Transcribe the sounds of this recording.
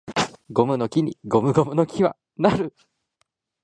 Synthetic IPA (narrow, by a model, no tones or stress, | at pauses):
ɡo̞mɯ̟no̞kʲiɲ̟iɡo̞mɯ̟ɡo̞mɯ̟no̞kʲiβa̰ | naɾɯ